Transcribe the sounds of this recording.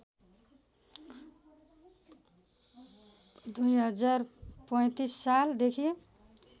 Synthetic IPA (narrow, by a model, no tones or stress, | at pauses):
d̪ujɦʌd͡zarpʌj̃t̪isːald̪ekʰie